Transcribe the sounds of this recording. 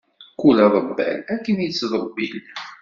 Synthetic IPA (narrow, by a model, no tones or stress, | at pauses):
kulæðˤəbːæ̰lækːənjət͡sːðˤəbːil